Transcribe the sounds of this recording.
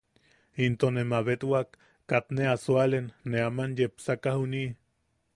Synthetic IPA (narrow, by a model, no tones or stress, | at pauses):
int̪onemaβet̪wakː | at̪neasualenːeamanjepsakahuni